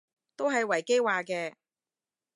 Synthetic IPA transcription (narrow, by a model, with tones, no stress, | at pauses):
t̪o˥wɦɐ˨jwɐ˨˩jke˥jwaː˨kɛː˧